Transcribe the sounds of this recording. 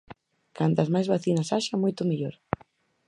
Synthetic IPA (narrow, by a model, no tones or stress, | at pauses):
kant̪ɐzmajzβaθinɐsaʃamojt̪ʊmeʎoɾ